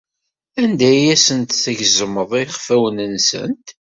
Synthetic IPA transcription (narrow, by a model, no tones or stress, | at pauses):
ænd̪æjæsənt̪θæʝzəməðˤiχfæwənənsə̰nt̪